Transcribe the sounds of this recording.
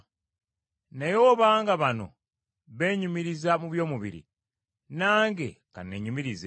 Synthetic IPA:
najo̞ːβaːŋɡaβano̞̰ | βe̞ːɲumiɾizamuβjo̞ːmuβḭɾḭ | naːŋɡḛka̰nːeɲumiɾize

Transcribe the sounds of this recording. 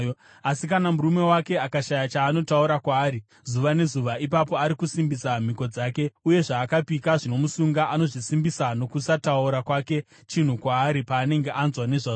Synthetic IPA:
asikanamuɾume̞wake̞akaʃajat͡ʃaːno̞tauɾakwaːɾi | zuʋane̞zuʋaipapo̞aɾikusimbisam̤iko̞d͡zaːke̞uje̞ʐaːkapikaʐino̞musuŋɡaʔano̞ʐisimbisano̞kusatauɾakwake̞ | t͡ʃin̤ukwaːɾipaːne̞ŋɡe̞ʔanzwane̞ʐa

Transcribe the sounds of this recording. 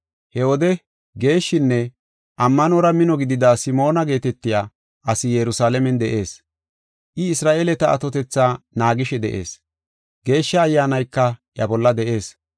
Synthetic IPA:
hɛwɔd̪ɛ | ɡe̞ːʃːɪnːɛ | ʔɐmːɐnoɾɐmɪnɔɡɪd̪ɪd̪aːsɪmo̞ːnɐɡe̞ːt̪ɛt̪ːɪjaː | ʔɐsɪjɛɾʊsaːlɛmɛnd̪ɛʔe̞ːs | ʔɪɪsɾaːʔeːlɛt̪ɐɐ̰t̪ɔt̪ɛt͡sːaːnaːɡɪʃɛd̪ɛ̰ʔe̞̰ːs | ɡ̥e̞ːʃːɐːjːaːnɐjkːɐʔjɐbɔlːɐd̪ɛʔe̞ːs

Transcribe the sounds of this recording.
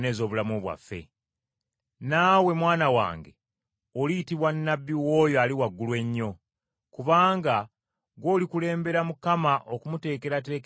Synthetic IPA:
ne̞ːzo̞ːβulamuβwa̰fːe̞̰ | naːwe̞mwaːnawa̰ːŋɡe | oliːtiβwanːabːiwo̞ːjoaliwaɡːulwe̞ɲːo̞ | kuβaːŋɡa | ɡo̞ːlikule̞ːmbe̞ɾamukamaʔokumute̞ːke̞ɾate̞ːk

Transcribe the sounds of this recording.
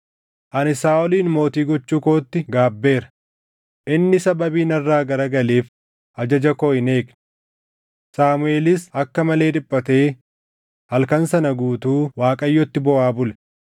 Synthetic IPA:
ʔɐnɪsaːɔliːnmo̞ːt̪iːɡɔt͡ʃːuːko̞ːt̪ːɪɡaːbːe̞ːɾɐ̥ | ʔɪnːɪsɐbɐbiːnɐrːaːɡɐɾɐɡɐleːf | ʔɐd͡ʒɐd͡ʒɐkoːɪne̞ːkn | saːmʊe̞ːlɪs̬ɐkːɐmɐle̞ːᶑ̪ɪpʼːɐt̪e̞ː | hɐlkɐnsɐnɐɡuːt̪uːwaːkʼɐjːɔt̪ːɪbɔʔaːbʊlɛ̥

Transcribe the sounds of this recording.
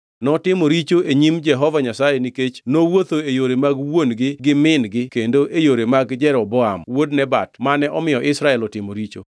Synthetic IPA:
nɔtɪmoɾit͡ʃoeɲimd͡ʒɛɦɔvaɲasajeniket͡ʃnowot̪oejoɾemaɡwonɡɪɡɪmɪnɡɪkendoʔejoɾemaɡd͡ʒɛɾɔbɔamwodnɛbatmanɛʔɔmɪjɔʔɪsɾaɛlɔtɪmoɾit͡ʃo̰

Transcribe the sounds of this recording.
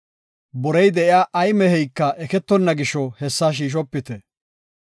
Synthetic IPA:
bɔɾɛjd̪ɛʔɪjaːʔɐjmɛhɛjkːɐʔɛkɛt̪ːɔnːɐɡɪʃɔhɛsːaːʃ̬iːʃ̬ɔpːɪt̪ɛ

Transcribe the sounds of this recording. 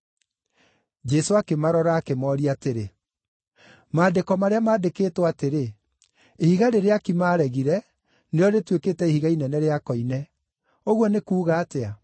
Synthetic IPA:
d͡ʒɛsoakemaɾɔɾaːkemɔːɾiateɾe | maːdekɔmaɾeamaːdekeːtwateɾe | ehiɣaɾeɾeakimaːɾɛɣiɾɛ | neɔɾetwekeːtɛihiɣainɛnɛɾeakɔinɛ | oɣwɔnekuːɣaːtea

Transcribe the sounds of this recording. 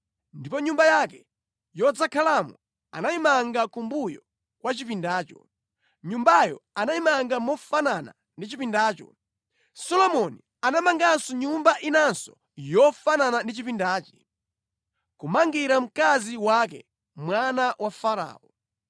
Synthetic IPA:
ndipɔɲumbajakɛ | jɔd͡zakʰalamu | a̰naimaŋɡakumbujɔ̰ | kwat͡ʃip̬indaːt͡ʃɔ̰ | ɲumbajɔ̰anaimaŋɡamɔfanana̰ | ndit͡ʃipindaːt͡ʃɔ̰ | sɔlɔmɔni | anamaŋɡansɔɲumbaʔinansɔ̥ | jɔfananandit͡ʃipindaːt͡ʃi̥ | kumaŋɡiɾam̩kaziwakɛ̰ | mwanawʔafaɾa̰ːɔ

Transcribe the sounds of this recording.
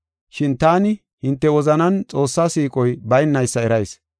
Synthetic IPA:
ʃɪnt̪aːnɪ | hɪnt̪ːɛwɔzɐnɐnt͡sʼo̞ːsːaːsiːkʼɔjbɐjnːɐjsːɐɛɾɐjs

